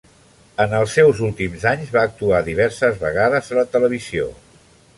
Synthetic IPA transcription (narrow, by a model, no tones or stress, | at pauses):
ənəlˠsːɛwzulˠt̪imzaɲzβaːk̚t̪uaðiβ̞ɛɾsəzβəɣ̞aðəzələt̪ələβ̞izio̰